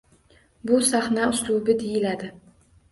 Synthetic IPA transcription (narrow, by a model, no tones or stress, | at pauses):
bʊsaχnaʊslˠubɪd̪ejɪlad̪ɪ